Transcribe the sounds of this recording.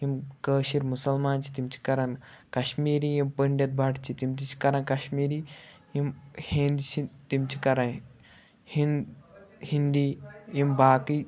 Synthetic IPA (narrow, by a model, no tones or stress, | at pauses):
imkəːʃiɾmusɐlmaːnt͡ʃʰi̥t̪imt͡ʃʰi̥kɐɾɐnkɐʃmiːɾijimpəɳɖʲɐt̪̚bʱɐʈt͡ʃʰit̪imt̪it͡ʃʰi̥kɐɾɐ̃nkɐʃmiːɾi | imhĩnd̪t͡ʃʰit̪imt͡ʃʰi̥kɐɾɐ | hin | hind̪ijimbaːki